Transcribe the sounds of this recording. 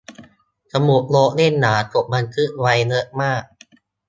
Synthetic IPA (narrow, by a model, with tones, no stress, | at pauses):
t͡ɕʰa˧mu˨˩k̚lo˦˥ʔle˥˩nːaː˩˦t̪o˨˩p̚ma˧nkʰɯ˦˥ʔwa˧jlɯ˦˥ʔ̚maː˥˩k̚